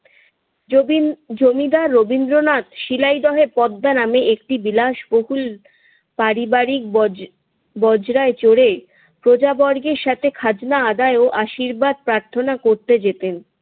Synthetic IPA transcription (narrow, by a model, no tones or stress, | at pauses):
d͡ʑomid̪aːobind̪ɾonat̪ʃilajɖ̪ɔɦeɾpɔd̪ːanameʔekʈibilaʃboɦul | paɾibaɾik̚ | bɔd͡ʑɾaet͡ɕoɽe | pɾod͡ʑabɔɾɡeɾʃat̪ʰekʰad͡ʑnaad̪aeoʔaʃiɾbad̪̚pɾaɾt̪ʰonakoɾt̪ed͡ʑet̪en